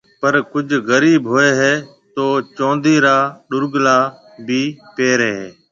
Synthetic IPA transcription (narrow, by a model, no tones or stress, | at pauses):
pəɾkʊd͡ʒʱɣəɾiːbɦoːeːɦɛː | t̪oːt͡ʃõːnd̪iːɾaːɗʊɾɡlaː | bʱiːpeːɾeːɦeː